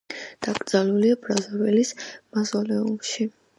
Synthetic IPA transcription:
d̪̥aɡʼɾd̪z̥aluliabɾazɔvɛlismazɔlɛumʃi

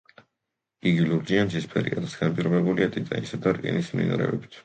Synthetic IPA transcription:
iɡiluɾd͡ʒiansispʰɛɾḭkʼat̪ʰasɡ̥anpʼiɾɔbɛbuliat̪ʼit̪ʼansad̪aɾkʼɛ̰nismnḭn̰ɾɛ̰ɛbit̪ʰ

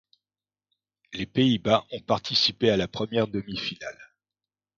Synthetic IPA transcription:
lepeibaʔɔ̃paʁt̪ʰisipealapχəmjɛʁd̪əmifinal

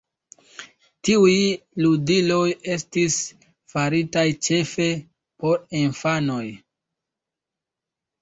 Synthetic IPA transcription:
tiujludilo̞je̞stis | faɾitajt͡ʃe̞fe̞ | po̞ɾinfano̞j

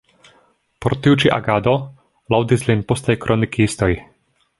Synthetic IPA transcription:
pɔɾt̪ujut͡ʃiʔa̰ɡaːd̪ɔ | lawd̪izlinpɔst̪ajkɾʔɔnikiist̪ɔj

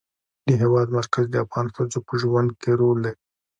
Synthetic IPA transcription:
d̪̥əɦewɑd̪maɾkazd̪əafɣɑnxəzopəʒwand̪̚keɾold̪ei

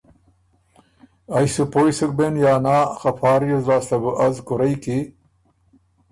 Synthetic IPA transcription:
ɐjsupoːjsuk̚benjaːnaːxɐpɑːɾjuzaːst̪ɐbuʔɐzkʊɾɐjki

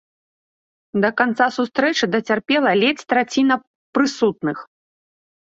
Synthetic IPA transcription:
d̪ɐkant̪sasust̪ɾɛt͡ʂɨd̪ɐt͡sʲarpʲɛlˠɐlʲɛt͡sʲt̪ɾat͡sʲinɐ | pɾɨsut̪̚nɨx

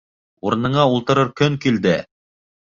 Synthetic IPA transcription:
uɾɤ̆nɤ̆ɴɑulˠt̪ɤ̆ɾɤɾkɵŋkild̪ɘ

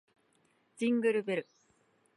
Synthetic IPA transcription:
d͡ʑĩŋɡɯ̟ɾɯbeɾɯ̟

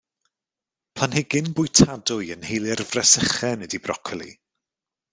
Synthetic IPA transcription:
pʰlanhɪɡɪnbʊjtʰadʊɨənhejlˠɪrvrɛsəχɛnɛdibrɔ̰kʰɛlˠḭ

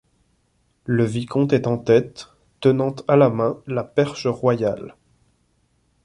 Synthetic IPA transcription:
ləvikʰɔ̃t̪ɛt̪ɑ̃t̪ɛt̪ː | ənɑ̃t̪alamɛ̃lapɛʁʃəʁwajal

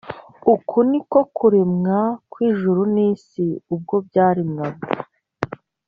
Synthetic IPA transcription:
ukʰuniko̞kuɾemŋakwiːʒuɾuniːsiub̚ɡo̞b̚ɟaːɾimŋaɡo

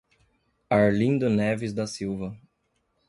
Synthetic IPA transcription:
aɾlĩd̪ʊnɛvɪzd̪ɐsiwvɐ

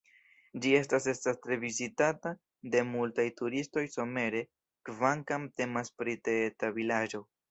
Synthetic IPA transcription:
d͡ʒie̞stase̞stastɾe̞vizitata | de̞multajtuɾisto̞jso̞me̞ɾe̞ | kvaŋkamte̞maspɾitetavilad͡ʒo̞

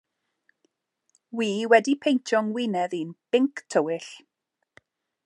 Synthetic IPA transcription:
wiːwɛdipʰejntʰjɔŋwɪnɛðinb̥ɪŋkʰtʰəwɪɬ

